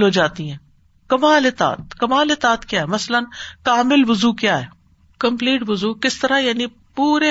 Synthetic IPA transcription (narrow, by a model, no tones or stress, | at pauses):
lɦoːd͡ʒaːt̪iɦɛ̃ː | kɐmaːlɪt̪a̰ːt̪̚kɐmaːlɪt̪aːt̪kjaːɦɛmɐslənkaːmɪlʋʊzuːkjaːɦɛː | kɐ̃mpliːʈʋʊzuːkɪst̪ɐɾajaːni | puːɾe